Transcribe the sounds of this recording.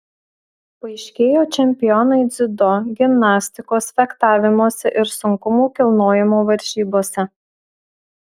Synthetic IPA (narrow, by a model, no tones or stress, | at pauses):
pɐɪʃʲkʲeːjoːt͡ʃʲɛmʲpʲɪjɔnɐɪd̪zʲɪd̪ɔɡʲɪmnɑːsʲt̪ʲɪkoːsfʲɛkt̪ɑːʋʲɪmoːsʲɛʔɪɾsʊŋkʊmuːkʲɪlˠnoːjɪmoːʋɐɾʲʒ̥ʲiːboːsʲɛ